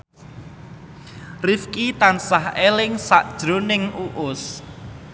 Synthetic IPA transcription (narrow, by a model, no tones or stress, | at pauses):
rifkit̪ansahelɪŋsaʔd̥ʒ̥ɾonɪŋuʔʊs